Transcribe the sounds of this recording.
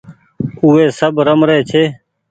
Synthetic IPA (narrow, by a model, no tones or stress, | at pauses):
uːeːsəbɾəmɾeːt͡ʃʰeː